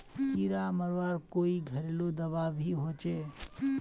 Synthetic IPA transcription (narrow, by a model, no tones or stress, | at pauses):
kiːɾaməɾʋaːɾkoːiɡʱəɾeːlod̪əʋaʋʱiɦoːt͡ʃeː